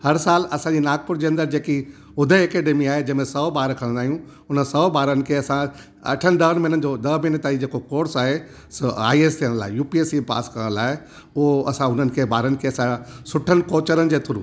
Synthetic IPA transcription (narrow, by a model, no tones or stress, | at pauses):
hɐɾsaːlɐsãɲd͡ʑinaːɡ̚pʊɾd͡ʑeːɐ̃nd̪əɾd͡ʑeːki | ʊd̪ʱəkeɖemiaːɦed͡ʑɐ̃ɦɪ̃mẽsɐbaːɾkʰɐɽ̃nd̪aːɦijũ | ʊnəsɐɓaːɾənɪ̆kʰeːɐsã | ɐ̰ʈʰənɪ̆ɗ̪ɐɦənminənɪ̆d͡ʑoːd̪ɐɦminət̪aːid͡ʑeːkokoːɾsaːɦe | sa̰ːieːst̪ʰiəɽ̃əla̰ːɪjuːpieːsipa̰ːskəɾə̃ɽ̃laːɪ | ʊɦoɐsãʊn̤ənɪ̆kʰeːbaːɾənɪ̆kʰeːɐsãsʊʈʰənɪ̆koːt͡ɕəɾənɪ̆d͡ʑeːt̪ʰʊɾṵ̃ː